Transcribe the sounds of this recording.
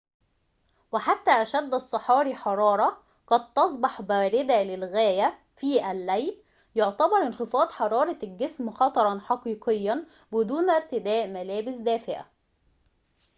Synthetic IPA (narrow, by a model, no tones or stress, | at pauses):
wɪħat̪ːæːʔæʃæd̪ːɑsˤːɑħɑːɾiħɑɾˤɑːɾˤɑ | qɑd̪̚t̪ɑsˤbɑħbæːɾɪd̪ælɪlɣæːjæ | fiːʔælːæjl | joʕt̪æbɑɾˤʔɪnxɪfɑːd̪ħɑɾˤɑːɾˤɑlɡɪsmxɑt̪ˤɑɾˤɑnħɑqiːqɪjːæn | bɪd̪uːnʔɪɾt̪ɪd̪æːʔmælæːbɪsd̪æːfɪʕʔæ̰